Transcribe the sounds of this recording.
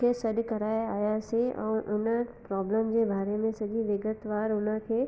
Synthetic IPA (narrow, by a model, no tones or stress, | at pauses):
eːsɐɗkɐɾaːeaːjaseʔɛ̰̃ːʔʊnəpɾɔːbləmd͡ʑeːbʱaːɾemẽsɐʄiʋɪɡət̪ʋaːɾʊnə̆kʰeː